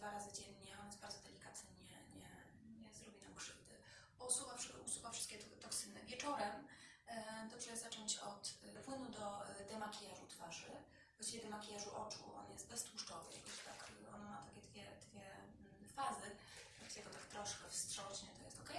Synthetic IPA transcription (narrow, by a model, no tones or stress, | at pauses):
d̪vaɾazɘd͡ʑɛɲɲɛɔnjɛs̚baɾd̪zɔd̪ɛlʲikat̪nɘɲɛ | ɲɛ | ɲɛzɾɔbʲinamkʂɘvd̪ɘ | bɔusuvafʂusubafʂɨst̪kʲɛt̪ɔksɘnɛvʲjɛt͡ʂɔɾɛm | d̪ɔʂɛzat͡ʂɔɲt͡ɕɔt̪pwɘnud̪ɔd̪ɛmakʲijaʐut̪faʐɘ | bɔɕt͡ɕivʲɛd̪ɛmakʲijaʐuʔɔt͡ʂuɔ̰njɛst̪̚bɛst̪wuʂt͡ʂɔvɨ̰ja̰kɔɕt̪akʔɔnmat̪akʲɛd̪vʲjɛd̪̥vʲjɛ | fazɘ | aksʲɛɡɔt̪akt̪ɾɔʂkɛfstʂɔɕɲɛt̪ɔjɛst̪ɔkɛj